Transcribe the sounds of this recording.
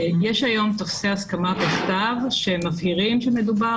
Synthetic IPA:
jɛʃajomt̪ofseaskamaveχt̪avʃemafhiʁimʃemeduba

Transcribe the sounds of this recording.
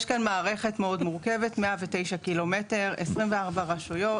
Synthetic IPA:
ʃkanmaːʁe̞χe̞tmeo̞dmuʁke̞ve̞tmeavete̞jʃakilo̞me̞te̞ʁesʁimveaʁbaʁaʃujo̞

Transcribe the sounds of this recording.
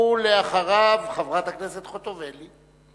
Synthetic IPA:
uleaχaʁavχavʁat̪akneset̪χo̞t̪oveli

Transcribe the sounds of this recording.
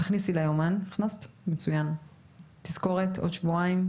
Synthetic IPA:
aχnisilajomaniχnastmet͡sujan | tiz̥ko̞ʁetʰo̞d̪ʃvuaim

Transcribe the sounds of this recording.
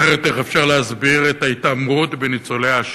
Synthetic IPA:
eʁet̪eχefʃaʁleazbiʁet̪ajt̪amʁot̪benit͡solejaʃ

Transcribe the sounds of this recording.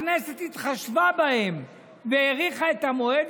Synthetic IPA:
neset̪it̪χaʃvabahe̞m | veeʁiχaet̪amo̞ed̪

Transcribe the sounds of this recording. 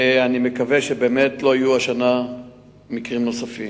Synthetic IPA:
anime̞kaveʃebe̞ːmetlo̞ajuaʃana | mikʁimno̞safim

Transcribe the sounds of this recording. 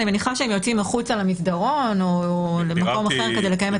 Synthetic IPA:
nimeniχaʃeemjot͡simaχut͡salamisdaʁo̞nolemako̞maχeʁke̞dejlekaje̞me

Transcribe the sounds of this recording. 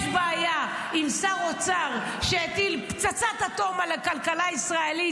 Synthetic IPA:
fbaːja | imsaʁot͡saʁ | ʃeet̪ilpt͡sat͡sat̪at̪o̞malakalkalaisʁaeli

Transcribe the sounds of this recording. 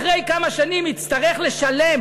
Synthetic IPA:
ʁejkamaʃanimit͡st̪aʁe̞χle̞ʃale̞m

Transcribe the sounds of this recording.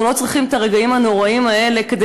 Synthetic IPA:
ulo̞t͡sʁiχimet̪aʁeɡaimhano̞ʁaimae̞le̞ked̪e

